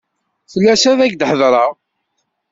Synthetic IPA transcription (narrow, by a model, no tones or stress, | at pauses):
θəlːæsæðæɡd̪ħəðɾˤɑʁ